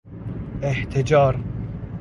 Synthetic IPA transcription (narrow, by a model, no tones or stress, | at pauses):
eht̪ʰed͡ʒɑːɾ